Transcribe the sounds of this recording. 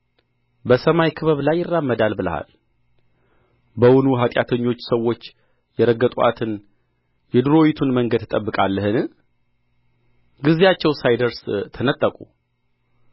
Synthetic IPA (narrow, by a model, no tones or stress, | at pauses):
bəsəmajkʰɨβəβlajːɪrːamːəd̪albɨlə̰ha̰l | bəwʊnuɦat̪ʼjat̪ʰəɲːo̞t͡ʃːsəwːo̞t͡ʃː | jɛɾəɡːət̪ʼuʔa̰t̪ʰɨn | jɛd̪ɨɾo̞wit̪ʰunməŋɡəd̪ʰɨt̪ʼəbːɨkʼalːəhɨn | ɡɨzijat͡ʃːɛwsajd̪əɾst̪ʰənət̪ʼːəkʼu